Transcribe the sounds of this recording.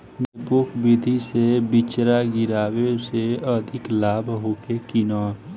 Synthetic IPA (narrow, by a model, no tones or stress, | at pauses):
mpʊkʰbɪd̪ʱisebɪt͡ʃɾaɡɪɾaːweseəd̪ʱɪklaːbɦoːkekinɔː